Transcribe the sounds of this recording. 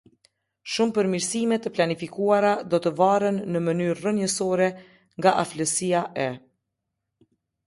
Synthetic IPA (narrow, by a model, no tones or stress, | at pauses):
ʃumpəɾmiɾsimɛt̪ːəplanifikuaɾad̪ɔt̪əvarənːəmənyɾrənjəsɔɾɛ | ŋɡaʔafləsiaʔɛ